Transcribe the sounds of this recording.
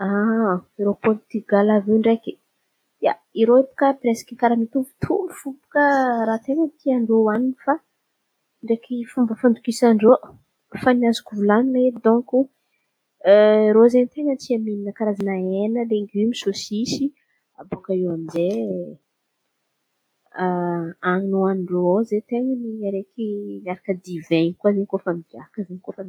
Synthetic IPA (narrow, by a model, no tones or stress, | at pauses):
aeɾopɔɾt̪yɡalaveɳɖ͡ʐeki | aiɾoep̪u̥kəpɾesḁkikaɾamit̪uvu̥t̪ʰumifupu̥kəɾat̪eŋət̪ʰiaɳɖ͡ʐowaninifa | ɳɖ͡ʐekʰifumbəfand̪ukisaɳɖ͡ʐo | faniazukuvulanined̪ɔ̃ŋku | ɾozent̪eŋət̪iamininəkaɾazanaenəleŋɡimisosisi | abukəewamize | aŋinuanɖ͡ʐoozet̪eŋəniaɾekinaɾakəd̪ivenkuazeɲikofamiɡakəzeɲikofa